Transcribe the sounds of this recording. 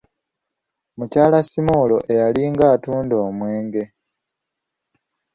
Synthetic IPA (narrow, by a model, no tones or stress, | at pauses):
mucaːlasimoːlo̞ʔe̞jaliŋɡaːtuːndo̞ːmwe̞ːŋɡe̞